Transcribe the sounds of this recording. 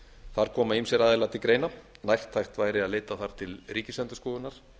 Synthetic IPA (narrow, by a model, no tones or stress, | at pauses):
θaɾ̥kʰɔːmaimsjɛɾaːðɪlat̪ɪkɾeːjnanajxt̪ʰːajxt̪vaːjɾɪaðleːjt̪aθaɾ̥t̪ʰɪlriːcɪslɛnt̪ʏ̥skɔːðʏnaɾ̥